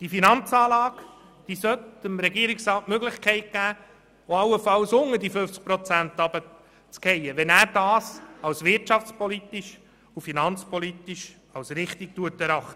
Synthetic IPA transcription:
d̥ifinɑnt͡sɑːlɑːɡ | d̥isœt̪ɪmɾɛɡiəɾiksrɑːtmøɡlɪχkʰɛɪt̚ɡ̥æː | oɑwəfɑlsʊŋədifɵft͡sk̚pɾɔt͡sænt̪ɑbə | t͡skɛjəʋɛnæːɾd̥ɑːsɑwsʋɪɾtʃɑft͡spʰɔlit̪iʃ | ufinɑnt͡spʰɔlit̪iʃ | ɑwsɾɪχtik̚tuətɛɾɑχt̪ə

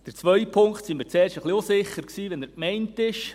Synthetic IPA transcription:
d̥ɛɾt͡sʋœɥpʰʊŋkχtsimɪːɾt͡sɛːɾʃtəχliusɪχəɾksiːʋɛnæɾkmɛɪntɪʃ

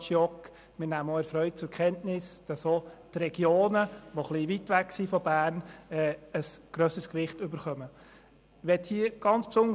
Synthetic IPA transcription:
ʃjɔk | mɪnæːmoɛɾfɾœʏt̚t͡sʊɾkʰɛntnɪsd̥ɑsotrɛɡ̥joːnəʋoχliʋitʋæksifɔbæːɾnɛːəsɡ̥ɾœsəskʋɪχtʏbəɾχœmə | ʋɛthiəɡ̥ɑnt͡spsʊnə

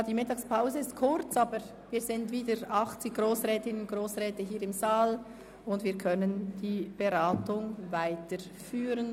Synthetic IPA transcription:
d̥iːmɪtɑːkspʰaʊzəɪstkʰʊɾt͡sɑːbə | viːzɪndviːdəɾɑχt͡sɪçɡ̥ʁoːsʁɛːtɪnənɡ̥ʁoːsʁɛːtəɦiːɾɪmzaːl | ʊndviːɐɾkʰœnənd̥iːb̥eʁaːtʊŋvaɪtə | fyːɾən

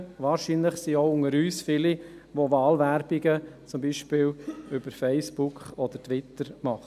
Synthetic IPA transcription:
ʋɑːɾʃinləχsioʊʊŋəɾyːsfɪli | ʋoʋɑːlʋæɾb̥iɡət͡sʊmbiːʃpɪːlʏb̥əɾfɛɪsbukχɔd̪̥ətʋɪt̪əɾmɑχə

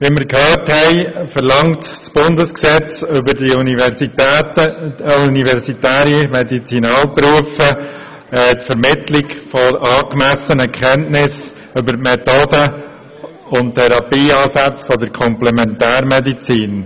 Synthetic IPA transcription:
ʋiməɾkhœːthɛɪfəɾlɑŋtsb̥ʊndəsksɛt͡sʏbəɾdiunivsitːəunivɛɾsitæːɾimɛdit͡sinɑːlpɾuəfə | ɛtfəɾmɪtlɪkfɔʔɑːkmæsənəkʰɛntnɪs | ʏbəɾtmɛt̪oːdə | ʊnttʰːɛɾɑpiːɑːsæt͡sfɔdəɾkʰɔmplɛmɛntæːɾmɛdit͡siːn

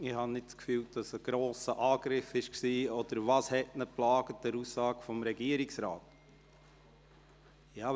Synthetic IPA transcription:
ɪhɑnnɪtskfyːld̥ɑsəɡ̥ɾoːsəʔɑːɡ̥ɾɪfɪʃksiːɔd̥əɾvɑshɛtnəplɑːɡ̥ət̚dæɾussɑːɡ̥fɔmɾɛɡiəɾɪksɾɑ̰ːt | jɑː

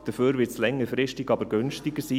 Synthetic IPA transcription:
d̥əføːɾʋɪslɛŋːəɾfɾɪʃtɪɡɑbəɾɡʏnʃtɪɡ̥əsiː

